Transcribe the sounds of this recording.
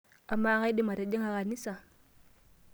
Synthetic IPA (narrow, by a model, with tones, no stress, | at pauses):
a˨mːa˦a˦˨ŋa˦jɗi˦ma˨ɾa˨ɗe˦ŋa˨ɣa˨ni˦sa˨